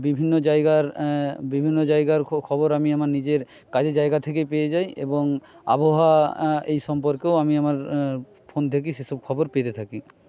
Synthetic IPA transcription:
bibʱinːod͡ʑajɡaɾbibʱinːod͡ʑajɡaɾkʰɔboɾamiamaɾnid͡ʑeɾ | kad͡ʑed͡ʑajɡat̪ʰekepeed͡ʑajḛboŋa̰boɦaejʃɔmpoɾkeoamiamaɾ | pʰont̪ʰek̬iʃeʃub̚kʰɔboɾpet̪et̪ʰaki

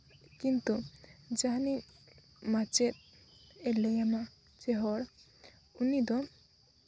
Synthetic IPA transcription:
kint̪ud͡ʒaɦni | mat͡ʃet̪̚ | ɛlɛjama | t͡ʃeɦɔɽ | unid̪ɔ

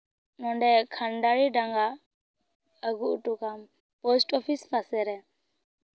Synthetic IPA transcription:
nɔɳɖɛkʰanɖaɾiɖaŋɡa | əɡuʔʈukam | pɔsʈɔpʰispʰasɛɾɛ

